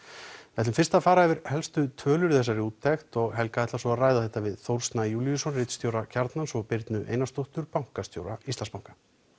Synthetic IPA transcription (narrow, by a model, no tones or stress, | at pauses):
vɛt̪lʏmfɪrst̪afaːɾaɛvɪɾ̥hɛlst̪ʏt̪ʰœːlʏɾθɛs̬ːaɾiuːt̪ʰːɛxt̪ɔɣɦɛlkaɛht̪lasɔaraːjðaθɛht̪ːavɪðθowɾ̥st̪najuːljʏsɔnrɪt̪st̪jowɾacʰaɾt̪nansɔɣpɪɾt̪nʏʔḛjnast̪owht̪ʏɾpawŋ̥kast̪jo̰ːwɾa̰ist̪anspawŋkḁ